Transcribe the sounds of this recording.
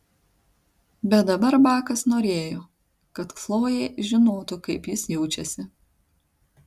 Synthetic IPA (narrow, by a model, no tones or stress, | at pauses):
bʲɛt̪̚d̪ɐbɐɾbɑːkɐsnoːɾʲeːjoː | kɐt̪flˠoːjeːʒʲɪnoːt̪ʊkɐɪpjɪsjɛʊt͡ʃʲɛsʲɪ